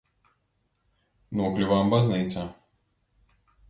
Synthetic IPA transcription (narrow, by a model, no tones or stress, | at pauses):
nuɔklʲivambaznɨjt̪sɐ